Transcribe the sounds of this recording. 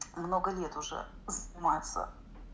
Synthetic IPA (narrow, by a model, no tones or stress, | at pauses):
mno̞ɡəlʲet̪ʊʐɛ̰ | zənʲɪmajɪt̪sə̰